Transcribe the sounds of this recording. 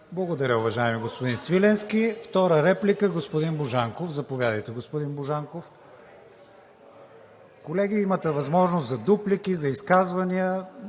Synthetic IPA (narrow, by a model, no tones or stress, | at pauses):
blˠɐɡod̪ɐɾʲəʊvɐʒaɛmiɡospod̪insvilɛnskʲift̪ɔɾəɾɛplikəɡospod̪inboʒaŋkofzɐpovʲjad̪əjt̪ɛɡospod̪inboʒaŋkof | kolɛɡ̟iimət̪ɛvɐzmɔʒnost̪zɐd̪uplikizɐiskazvɐniə